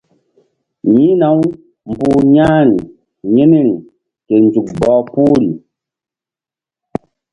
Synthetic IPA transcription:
ɲĩ˦na˨˦w | m˨buː˦ɲa˦ɾi˨ | je˦ni˦ɾi˨ | ke˨nd͡ʒu˨k̚bɔː˨pu˦ɾi˨

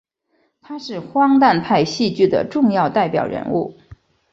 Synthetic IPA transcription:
t̪ʰa˥ʂɻ̩˥˩xwɑ˥ŋt̪a˥˧npʰa˥˧ɪɕi˥˧t͡ɕy˥˩d̪ə̰˩ʈ͡ʂʊ˥˧ŋjɑ˥˧ʊt̪a˥˩ɪpjɑ̰˨˩ʊɻə̰˧˥nṵ˥˩

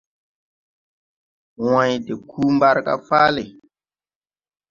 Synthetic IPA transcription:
wã˨jde˨kʰuː˦mba˦ɾka̰˦faː˦le˨

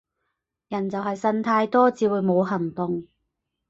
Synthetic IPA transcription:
jɐ˨˩nt͡sɐ˨wɦɐ˨jsɐ˧˥nt̪ʰaː˧jt̪ɔː˥t͡siː˨˧wuː˨˧jmo˨˧wɦɐ˨˩ŋt̪ʊ˨ŋ

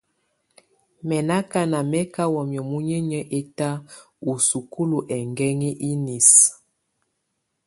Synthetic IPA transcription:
mɛ˨na˦ka˦na˨mɛ˦ka˦wɔ˨mjɔ˨mu˦ɲɛ˦ɲɛ˦ʔe˦ta˦ | u˨su˨ku˦lu˨ʔɛ˨ŋɡɛ˦ŋi˦ʔi˦ni˨s

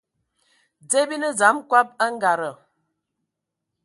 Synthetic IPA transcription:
d͡ze˦bi˦nə˦d͡za˨˦mkwa˦p̚a˦ŋ̩˦ɡa˨ɾə˨

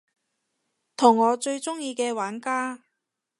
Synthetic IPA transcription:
t̪ʰʊ˨˩ŋːɔː˨˧t͡ʃɵ˧ɥt͡sʊ˥ŋjiː˧kɛː˧waː˨˥nkaː˥

